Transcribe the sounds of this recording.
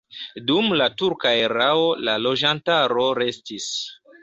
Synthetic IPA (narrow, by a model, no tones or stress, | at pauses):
dumlatuɾkaeɾao̞lalo̞d͡ʒantaɾo̞ɾe̞stis